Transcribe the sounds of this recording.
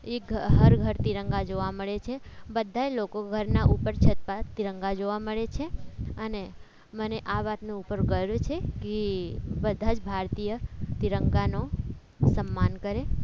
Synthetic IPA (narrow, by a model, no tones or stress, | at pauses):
eɡʱɦəɾɡʱəɾt̪iɾəŋɡad͡ʒoʋaməɭet͡ʃʰebəd̪ʱːaelokoɡʱəɾnaʔupəɾt͡ʃʰət̪̚pat̪iɾəŋɡad͡ʒoʋaməɭet͡ʃʰeəne | məneʔaʋat̪nõupəɾɡəɾt͡ʃʰekebəd̪ʱad͡ʒbʱaɾt̪ijət̪iɾəŋɡano | səmːankəɾe